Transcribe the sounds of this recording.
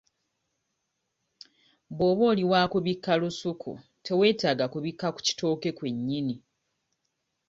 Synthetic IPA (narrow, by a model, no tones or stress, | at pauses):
boːβo̞ːliwaːkuβikːalusukʰṵ | tʰe̞we̞ːtaːɡakuβikːaku̥ci̥to̞ːke̞kwe̞ɲːini